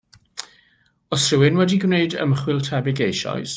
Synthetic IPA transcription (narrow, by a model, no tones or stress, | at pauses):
ɔsrɪwɪnwɛdiɡwneɨdə̰mχwɪlˠtʰɛbɪɡejʃɔ̰js